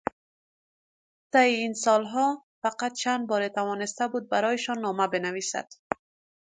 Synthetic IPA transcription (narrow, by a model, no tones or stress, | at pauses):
t̪ajiinsɒlɦɔ | faqat̪̚t͡ʃʰand̪̚bɒɾet̪awɒnɪst̪abud̪̚baɾɒjɪʃɒnːɒmabɪnavisa̰d̪̥